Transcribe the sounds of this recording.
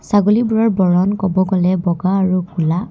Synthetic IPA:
saɡolibʊɹaɹbɔɹɔnkɔbɔɡɔlɛbɔɡaːɹukʰula

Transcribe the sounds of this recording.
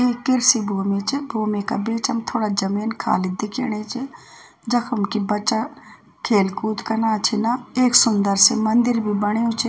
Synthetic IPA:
eːkɪɾsibʱoːmet͡ʃebʱoːmeka̰beːt͡ʃɐmt̪ʰoːɽad͡ʒɐmiːnkʰa̰ːlɪd̪ɪkʰḛɽet͡ʃʰe | d͡ʒɐkʰʊmkibɐt͡ʃa | kʰeːlkuːt̪kɐnaːt͡ʃʰinaeːksʊnd̪əɾsemɐnd̪ɪɾbʱibəɽ̃ejũt͡ʃʰe

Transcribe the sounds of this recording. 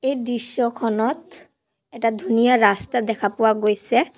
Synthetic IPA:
ejd̪iʃːɔkʰɔnɔt̪ | ɛʈad̪ʱunijaɹast̪ad̪ɛkʰapɔwaɡojsɛ

